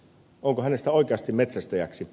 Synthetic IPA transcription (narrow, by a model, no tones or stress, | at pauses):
oŋkohænest̪æoikeɑst̪immet̪sæst̪æjæ̰ksi